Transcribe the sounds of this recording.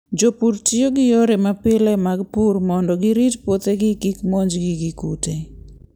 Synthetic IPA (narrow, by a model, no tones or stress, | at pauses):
d͡ʒopuɾtioɡɪjoɾemapɪlɛmaɡpuɾmɔndɔɡɪɾitpot̪eɡɪkikmoɲd͡ʒɡiɡikute